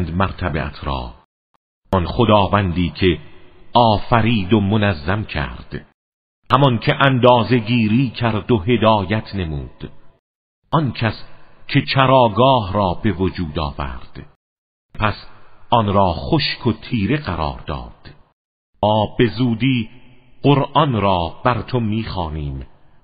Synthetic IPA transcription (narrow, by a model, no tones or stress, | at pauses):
nd̪mæɾt̪ʰæbḛʔæ̰t̪ʰɾɒ̰ː | ɔnχod̪ɒːvænd̪iːkʰe̞ɒːfæɾiːd̪omonæzːæmcʰæ̰ɾd̪̥ | hæmɒnkʰeʔænd̪ɒːze̞ɡiːɾiːcʰæɾd̪oɦe̞d̪ɒːjæt̪ʰne̞muːd̪̥ | ʔɒnkʰæscʲʰe̞t͡ʃʰæɾɒːɡɒːhɾɒːbe̞vod͡ʒuːd̪ɒ̰ːvæ̰ɾd̪̥ | pʰæsʔɒnɾɒːχoʃkʰot̪ʰiːɾe̞ɣæɾɒ̰ːɾd̪ɒ̰ːd̪̥ | ɒːbe̞zuːd̪iːɢoɾʔɒnɾɒːb̥æɾt̪ʰomiːxɒːniːm